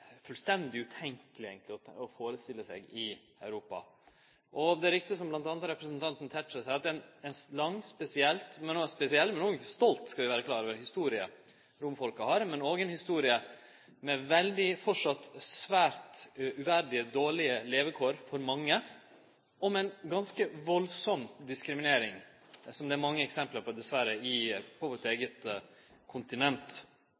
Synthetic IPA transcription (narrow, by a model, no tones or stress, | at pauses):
fʉlst̪ɛnd̪ɪʉt̪ʰɛŋkəlɪḛɡənt̪lɪɔɔfoːɾəst̪ɪlːəsɛ̰ɡɪ | œʉɾuːpɑ̰ | ʔɔd̪ɛæɾɪk̚t̪ɪsɔmblɑnt̪ɑnd̪ɾəɾɛpɾəsənt̪ʰɑnt̪n̩t̪ʰɛtːəsæɪɑt̪ɛnɛnslɑŋːspɛsɪɛlt̪mɛnoːspɛsɪɛlt̪mɛnoːɡəɪkːəst̪ɔlt̪skɑʋɪʋæːɾəkʰlɑːɾɔːʋəhɪst̪uːɾɪə | ɾʊmfɔlkɑhɑɾmɛnoːɡəɛnhɪst̪uːɾɪə | mɛʋɛld̪ɪfɔʂɑt̪ːsʋæːɾt̪ʔʉʋæɾɖɪəd̪oːɭɪəleːʋəkʰoːɾfɔɾmɑŋːə | ɔmɛnɡɑnskəʋɔlsɔmd̪ɪskɾɪmɪneːɾɪŋ | sɔmd̪ɛːɾmɑŋːəɛksɛmpləɾpʰɔd̪ɛsʋæɾəɪpʰɔʋoːt̪eːɡət̪ | kʰʊnt̪ɪnɛnt̪